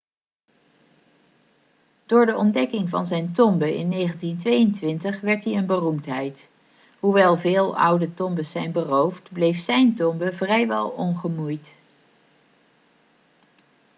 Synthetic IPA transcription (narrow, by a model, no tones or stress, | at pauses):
d̥ʊːɹdəʔɔndɛkɪŋvɑ̰nzɛjntɔmbəɪ̰nːejχəntintʋejəntʋɪntəχʋɛɹtɦiənbərumtɦɛjt | ɦuʋɛlˠvɪːlˠʌ̰wdətɔmbəsːɛjnbərowftblejfsɛjntɔmbəvrɛjʋɛ̰lˠɔnχəmujt